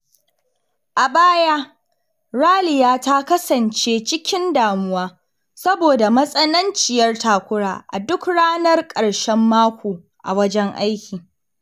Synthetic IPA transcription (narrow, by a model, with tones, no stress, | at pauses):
ʔa˨baː˦jaː˦ | ɾaː˦lɪ˨jaː˦ta˦kɐ˦sɐ˨nt͡ʃeː˦t͡ʃɪ˦kʲɪ˦ndaː˨mʊ˦waː˦ | sɐ˦boː˨da˨mɐ˦sʼɐ˦nɐ˦nt͡ʃɪ˨jɐ˦rtaː˨kʷʊ˦ɽaː˨ʔa̰˨dʊ˦kɽaː˦nɐ˦rkʼɐ˨ɽʃɛ˦mːaː˦kʷoː˨ | ʔa̰˨wɐ˦d͡ʒɛ˦ŋʔa˦jkʲiː˨